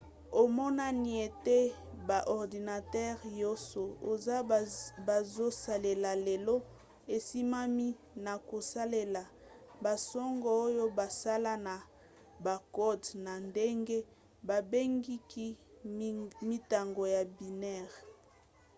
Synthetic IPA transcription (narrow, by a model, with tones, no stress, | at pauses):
o˨mɔ˦na˦ni˨e˨te˦ba˨ʔɔ˨ʁdi˨na˨tɛ˦ʁjo˦so˨o˨za˦ba˨zo˦sa˨le˨la˨le˨lo˦ | e˨si˦ma˦mi˦ | na˨ko˨sa˦le˦la˨ | ba˨sɔ˦ŋɡɔ˦˨o˦jo˦ba˨sa˦la˦na˨ | ba˨ko˦dna˨nde˦ŋɡe˦ | ba˨be˦ŋɡi˦ki˦ | mi˦ta˨ŋɡo˨ja˨bi˨nɛ˦˨ʁ